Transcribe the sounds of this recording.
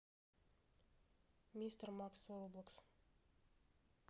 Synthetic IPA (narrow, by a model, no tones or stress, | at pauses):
mʲist̪rmaksoɾoblˠəks